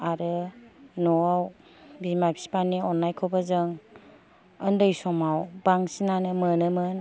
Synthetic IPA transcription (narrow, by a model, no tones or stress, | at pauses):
aɾɯnɔaw | bimapʰsi̥paniɔnːajkʰɔbazɯŋ | əndɯjsɔmawbaŋsinanɯmɯnɯmɯn